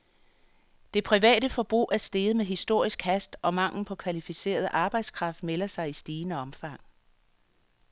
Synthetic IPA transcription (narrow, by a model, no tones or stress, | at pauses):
d̥e̝pʰʁiʋɛ̰ːdəfɒ̽b̥ʁṵːʔæɐsd̥e̝ːð̞̩ˠmeɦisd̥o̝ɐ̰isɡ̥hæsd̥ʔɒ̽mɑ̈ŋ̰ln̩pʰɒ̽kʰʋælifise̝̰ːɐðˠʔɑ̈ːb̥ɑ̈ɪd̥skʰʁɑ̈fd̥̚melɐsɑ̈ɪisd̥iːnəɒ̽mfɑ̈ŋ̰